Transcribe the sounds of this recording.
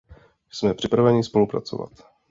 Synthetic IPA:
smɛpr̥ɪpɾavɛɲɪspo̞lupɾa̰t͡so̞̰va̰t̪

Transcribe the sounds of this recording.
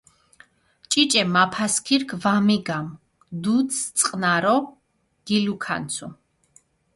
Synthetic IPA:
t͡ʃʼit͡ʃʼɛmapʰaskʰiɾkʰvamiɡam | d̪ut̪sʰt̪sʼqʼnaɾɔ | ɡ̥ilukʰa̰nt̪sʰṵ

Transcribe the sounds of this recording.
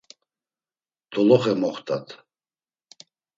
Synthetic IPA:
t̪ʰɔlɔχɛmɔχt̪ʰʼat̪ʰ

